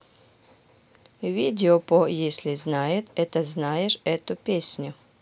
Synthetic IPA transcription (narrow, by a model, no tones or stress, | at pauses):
vʲidʲɪopojesʲlʲɪznajɪt̪ɛt̪əznajɪʂɛt̪ʊpʲesʲnʲʊ